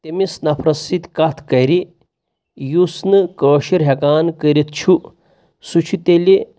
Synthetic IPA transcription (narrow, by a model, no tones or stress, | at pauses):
t̪emisnɐpʰɾɐsit̪kat̪ʰkɐjɾi | jusnɨkəːʃiɾɦekaːnkəɾit̪̚ʰt͡ʃʰu | sut͡ʃʰut̪eli